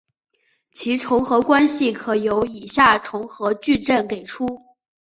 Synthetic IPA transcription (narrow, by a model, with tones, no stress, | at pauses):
t͡ɕʰi˧˥ʈ͡ʂʰʊ˧˥ŋxɤ˧˥kwa˥nɕi˥˩kʰɤ˨˩jo˧˥ʊi˨˩ɕja˥˩ʈ͡ʂʰʊ˧˥ŋxɤ˧˥t͡ɕy˥˧ʈ͡ʂə˥˩nke˨˩ɪʈ͡ʂʰu˥